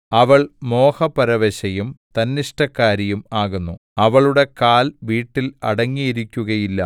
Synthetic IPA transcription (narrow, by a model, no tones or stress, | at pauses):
ɐʋɐɭmo̞ːhɐpɐɾɐʋeɕɐjumt̪ɐnːiʂʈɐkːaːɾijumaːɣunːuɐʋɐɭuɽe̞kaːlʋiːʈːilɐ̰ɽɐŋːijiɾikʲːuɣɐjilːɐ̰